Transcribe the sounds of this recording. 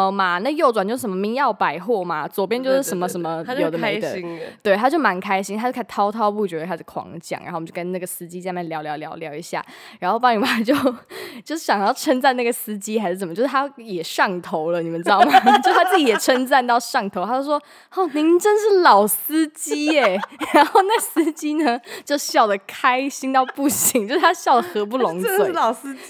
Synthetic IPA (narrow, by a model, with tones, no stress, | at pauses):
ma˨na˥˩˧jo˥˩ʊt͡swt͡ɕo˥˧ʊʂ̩˥˩ʂə˩˦mə˧mi˧˥ŋjɑ˥˩ʊpa˨˩ɪxwɔ˥˩ma˩t͡swɔ˨˩pjɛ˥nt͡ɕo˥˧ʊʂʂɻ̩˥˩ʂə˧˥nmə˧ʂə˧˥nmə˧jo˨˩ʊd̪ə˦mi˥˩d̪ə˨˩t̪we˥˩ɪt̪ʰa˥t͡ɕjo˥˩ʊma˧˥nkʰa˥ɪɕi˥ŋt̪ʰa˥t͡ɕkʰt̪ʰɑ˥ʊt̪ʰɑ˥ʊpu˥˩t͡ɕɥt̪ʰʂɻkʰwɑ̰˧˥ŋt͡ɕjɑ̰˩ŋɻ̰a̰˧˥xwt͡ɕkə˧˦na˥˩ɡə˩sɹ̩˥t͡ɕi˥t͡sa˥˧mjɛ˥˩nljɑ˧˥ʊljɑ˧˥ljɑ˧˥ʊljɑ˧˥ʊi˧˥ɕja̰˥˩ɻa˧˥nxo˥˧ʊpɑ˥ni˨˩pa˥t͡ɕjo˥˧ʊt͡ɕjo˥˧ʊʂ̩˥˩ɕjɑ˨ŋjɑ˥˩ʊʈ͡ʂʰə˥nt͡sa˥˧na˥˩ɡə˩sɹ̩˥t͡ɕi˥xa˧˥ʂɻ̩˥˩ə˨˩m˦t͡ɕjʊ˥ʂ̩˥t̪ʰa˥jɛ˨˩ʂɑ˥˩ŋt̪ʰo˧˥ʊlə˧ni˨˩mə˦nʈ͡ʂɻ̩˥ɑ˥˩ma˨˩t͡ɕjo˥˧ʂt̪ʰt͡s̩˥˩i˨˩jɛ˨˩ʈ͡ʂʰə˥nt͡sa˥˧nt̪ɑ˥˧ʊʂɑ˥˩ŋt̪ʰo˧˦ʊt̪ʰa˥jo˥˧ʂwɔ˥ | ɔ˥˩ni˧˥ŋʈ͡ʂə˥nʂɻ̩˥˩lɑ˨˩ʊsɹ̩˥t͡ɕi˥ɛ˨˩ɻa˧˥nxo˥˧ʊna˥˩sɹ̩˥t͡ɕi˥nə˧t͡ɕjo˥˧ʊɕjɑ˥˩ʊd̪ə˩kʰa˥ɪɕi˥ŋt̪ɑ˥˧ʊpu˥˩ɕi˧˥ŋt͡ɕo˥˧ʊʂɻ̩˥tʰa˥ɕjɑ˥˩ʊd̪ə˩xɤ˧˥p̬u˥˩lo˧˥ŋwe˥˩˨s